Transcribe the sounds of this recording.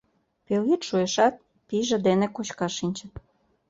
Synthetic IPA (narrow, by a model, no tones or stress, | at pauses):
peljit̪ʃueʃɑt̪̚ | piʒĕd̪enekot͡ɕkɑʃinʲt͡ɕə̆t̪̚